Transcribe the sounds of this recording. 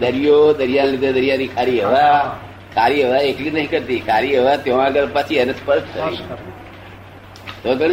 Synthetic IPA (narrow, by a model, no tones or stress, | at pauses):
d̪əɾijod̪əɾjanlid̪ʱed̪əɾijanikʰaɾiɦəʋa | kʰaɾiɦəʋaeklinəɦĩkəɾt̪ikʰaɾiɦəʋat̪joõãɡəɾpat͡ʃʰiənət̪pəɾt̪tʰːəi | t̪oɡəɽ̃